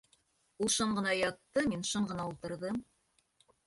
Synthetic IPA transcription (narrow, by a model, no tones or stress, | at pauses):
ulˠʃɤɴɢɤ̆nɑjɑt̪ːɤminʃɤɴɢɤ̆nɑulˠt̪ɤ̆ɾðɤm